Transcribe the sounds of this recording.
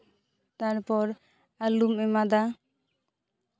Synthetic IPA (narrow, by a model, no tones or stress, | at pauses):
t̪aɾpɔɾ | alumɛmad̪a